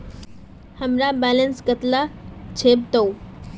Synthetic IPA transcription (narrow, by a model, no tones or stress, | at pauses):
həmɾabɛːlənskət̪lat͡ɕʰeːb̚t̪ou